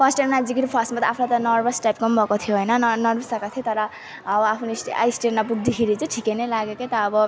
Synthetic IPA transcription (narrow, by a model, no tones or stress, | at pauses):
pʰʌsʈamnad͡zikiɾipʰʌsʈmat̪ʌapʰlajt̪ʌnʌrbʌsʈajpkʌmbʱʌkot̪ʰijoɦojnʌnnʌrbʌsakat̪ʰiot̪ʌɾʌː | bʌapʰnisʈa̰jsʈeɾnabuɡd̪iɦʰiɾit͡sʌʈʰikenelaɡeket̪ʌːbʌ